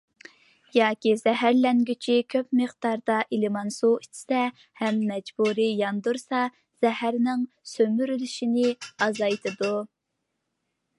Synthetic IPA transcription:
jɑːkʲizɛɦæɾlɛŋɡʲyt͡ʃʰikʲʰøp̚mɨχd̪ɑɾd̪ɑʔilɪmɑnsuit͡ʃʰi̥sɛ | hɛmːɛd͡ʒbuɾijɑnd̪uɾsɑ | z̥ɛhæɾnɪŋ | sømyɾylyʃinɪɑzɑjt̪ʰɨd̪u

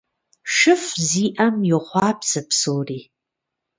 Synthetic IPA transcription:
ʃɨfziːʔɐmjɪχʷɑːpsɨpsoːriː

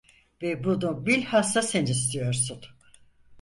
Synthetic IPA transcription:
vɛbunubilʲhasasenis̬t̪ʰijoɾsun

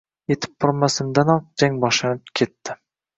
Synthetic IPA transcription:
jet̪ʰɪ̥p̚bʰʊɾmasɪmd̪anɒq̚d͡ʒ̪aŋbɒʃlanɪp̚kʲʰet̪ːɪ

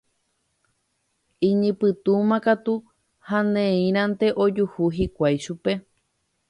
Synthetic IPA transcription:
ĩɲĩpɨt̪umãkat̪u | hãnẽĩɾ̃ãnt̪e̞ʔod͡ʒuhuɦikʷajʃupe̞

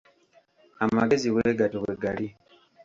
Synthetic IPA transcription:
amaɡe̞ziwe̞ɡatoweɡali

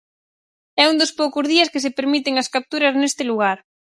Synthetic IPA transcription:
ɛund̪ospowkʊzðiɐskɪsɪpeɾmit̪ɪŋɐskap̚t̪uɾɐznest̪ɪluɣaɾ

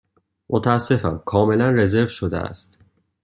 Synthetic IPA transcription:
mʔot̪ʰææsːe̞fæ̰mkʰɒːme̞lænre̞ze̞ɾvʃod̪ḛæ̰st̪

